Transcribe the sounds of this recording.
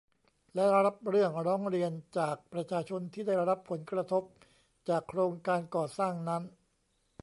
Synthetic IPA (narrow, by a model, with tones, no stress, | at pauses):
lɛ˦˥ɾa˦˥p̚ɾɯ˥˩əŋɾɔː˦˥ŋɾi˧ənt͡ɕaː˨˩k̚pɾa˧t͡ɕʰaː˧t͡ɕʰo˧nt̪ʰiː˥˩da˥˩jɾa˦˥pʰo˩˦nkɾa˧t̪ʰo˦˥p̚ | t͡ɕaː˨˩kʰːɾoː˧ŋkaː˧nkɔː˨˩saː˥˩ŋna˦˥n